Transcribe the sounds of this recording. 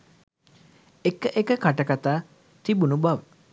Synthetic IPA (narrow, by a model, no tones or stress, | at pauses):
ekəʔekəkaʈəkat̪aː | t̪ibunubaʋə